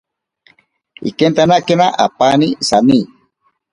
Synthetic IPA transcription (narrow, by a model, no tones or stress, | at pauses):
ḭkent̪anaʔkenaʔapanisani